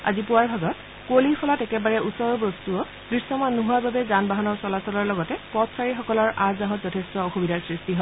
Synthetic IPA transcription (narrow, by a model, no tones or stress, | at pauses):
a̰zipʊwaɹbʱaɡɔt | kolipʰɔlatɛkɛbaɹɛʔusɔɹɔɹbɔstuɔ | kɹisɔmanːuɦuababɛzanbaɦanɔɹsɔlasɔlɔɹlɔɡɔtɛpɔtsaɹixɔkɔlɔɹʔazaɦɔtzɔtʰestɔɔxubidaɹsɹistiɦɔ